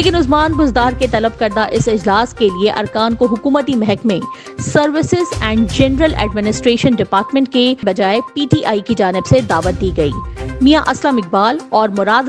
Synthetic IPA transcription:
leːkɪnʊzmaːnbʊzd̪aːɾket̪ɐləb̚kɐɾd̪aʔɪsɪd͡ʒlaːskelieʔɐ̰ɾkaːnkoɦʊkuːmət̪imɛɦɛkmẽ | sɐɾʋɪsɪzɛ̃ːɳɖd͡ʒɛnɾəlɛ̰ːɖmɪnɪsʈɾeːʃənɖɪpaːɾʈmɛ̃ɳʈ̚kebɐd͡ʒaːepiːʈiːʔaːikid͡ʒaːnɪbsed̪aːʋət̪̚d̪iːɡɐḭːmijaʔɐslaːmɪk̚baːlɔːɾmʊɾaːd̪

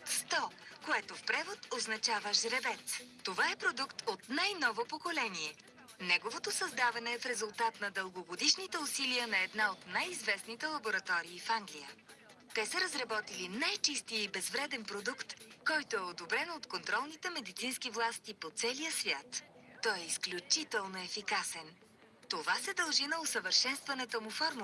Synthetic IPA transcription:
st̪ɔkoɛt̪ofpɾɛvot̪oznɐt͡ʃavəʒɾɛvɛt̪st̪ovaɛpɾod̪ukt̪ot̪najnɔvopokolɛnʲiɛ | nɛɡovot̪osɐzd̪avɐnɛːfɾɛzulˠt̪at̪nɐd̪əlˠɡoɡod̪iʃnit̪ɛʊsiliənɐɛd̪naot̪najizvɛsnit̪ɛlˠɐboɾɐt̪ɔɾiːfaŋɡlijə̰ | t̪ɛsəɾɐzɾɐbɔt̪ilinajt͡ʃist̪iibɛzvɾɛd̪ɛnpɾod̪ukt̪kɔjt̪oɛod̪obɾɛnot̪kont̪ɾɔlˠnit̪ɛmɛd̪it̪sinskivlˠast̪ipot̪sɛlijəsvʲjat̪ːɔjɛisklʲut͡ʃit̪ɛlˠnoɛfikasɛn | t̪ovasɛd̪əlˠʒinɐosəvəɾʃɛnst̪vɐnɛt̪omufɔɾm

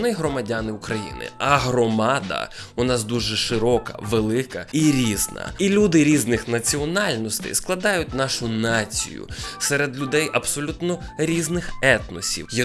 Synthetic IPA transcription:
nɪɦɾɔmɐdʲanɪʊkɾɐjḭnɪ̰ɐɦɾɔmɑd̪ɐ̰ | ʊnɑsd̪uʒɛʃɪɾɔkɐ̰ʋelˠɪkɐiɾʲiznɐ̰ilʲud̪ɪɾʲiznɪxnɐt͡sʲiɔnɑlʲnɔst̪ɐ̰jsklˠɐd̪ɑjʊt̚ʲnɑʃʊnɑt͡sʲḭjʊ̰sɛɾed̪lʲʊd̪ɛjʔɐbsɔlʲut̪nɔ | ɾʲiznɪxɛt̪nɔsʲḭwjɐ

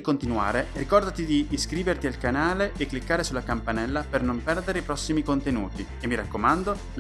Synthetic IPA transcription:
ikont̪inua̰ːɾerikɔrd̪at̪id̪iːskɾiːvert̪ialkanaːleekːlikːaːɾesulakampanɛlːapernompɛrd̪eɾeipɾɔsːimikont̪enuːt̪i | emːiɾakːomand̪o

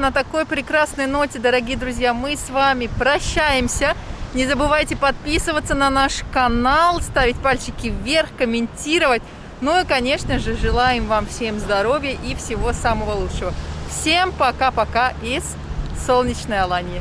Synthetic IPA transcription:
nət̪ɐko̞jpɾʲɪkɾasnəjno̞tʲɪd̪əɾɐɡʲijəd̪ɾʊzʲjamɨsvamʲɪpɾɐɕːæjɪmsʲənʲɪzəbɨvajtʲɪpɐt̪̚pʲisɨvət̪sənɐnaʂkɐnalˠst̪avʲɪtʲpalʲt͡ɕɪkʲɪvʲe̞rxkəmʲɪnʲtʲiɾəvətʲ | noikɐnʲe̞ʂnəʐɨʐɨlˠajɪmvamfsʲe̞mzd̪ɐɾo̞vʲɪjəʔifsʲɪvo̞saməvəlˠutʂəvəfsʲempɐkapɐkaɪs | so̞lˠnʲɪt͡ɕnəjɐlˠanʲɪjə

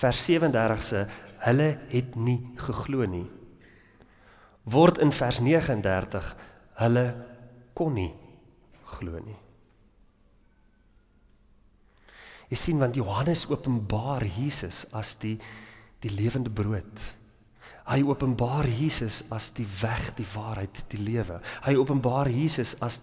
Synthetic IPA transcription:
færsːiəvəəndærdəχstəhələɦɛtniχəχluəni | vɔrtənfærsniəχəəndærtəχ | hələkɔnːi | χluəni | jəjsinvɐntjuɦɐnəsuəpənbɑːrjiːsəsɐsdid̥iliəvəndəbruət | həjuəpənbɑːrjiːsəsɐsdivæχdivɑːɾɦəjtd̥iliəvə̰həjuəpənbɑːrjiːsəsɐs

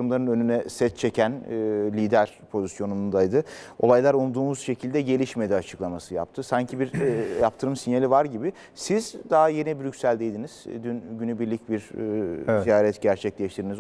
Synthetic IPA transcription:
ɾɯmlˠaɾɯnø̞nynɛsɛt̪t͡ʃʰe̞cʰænːlʲiːd̪æɾ̥pʰo̞zisjo̞nunund̪ajd̪ɯo̞lˠajlˠaɾulˠd̪uːmuzʃe̞cʰilʲd̪ɛɟe̞lʲiʃme̞d̪ɛat͡ʃʰɯ̥klˠamasɯja̰p̚t̪ʰɯsaɲcʰibiɾjap̚t̪ʰɯɾɯmsinjalʲivaɾɟibi | sizd̪aɦaje̞nibyɾycsælʲd̪ejd̪iniz̥d̪ynɟynybiɾlʲic̚biɾ | zijaːɾɛt̪ɟæɾt͡ʃʰɛclʲɛʃt̪ʰiɾiniz

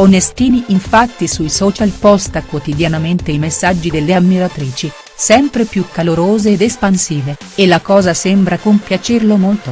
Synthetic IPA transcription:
onest̪iːniiɱfat̪ːisuisɔːt͡ʃalpɔst̪akwot̪id̪janament̪ejmesːad͡ʒːid̪elːeamːiɾat̪ɾiːt͡ʃi | sɛmpɾepjukːaloɾoːzeːd̪espansiːve | elːakɔːzasɛmbɾakompjat͡ʃerlomolt̪o

